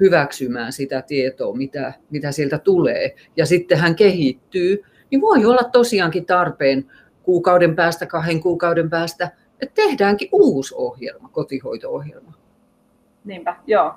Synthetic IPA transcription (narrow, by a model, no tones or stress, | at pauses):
hyʋæksymæːnsit̪æt̪iet̪o̰ːmit̪æmit̪æsielt̪æt̪ulḛː | jɑsit̪ːehæŋkehit̪ːyː | niʋoiolːɑt̪t̪osiɑŋkit̪ɑrpeːn | kuːkɑudempæːst̪ækɑheŋkuːkɑudempæːst̪æ | et̪t̪ehdæːŋkiʔʔuːso̰hjḛlmɑkot̪ihoit̪oohjḛlmɑ | niːmpæjoː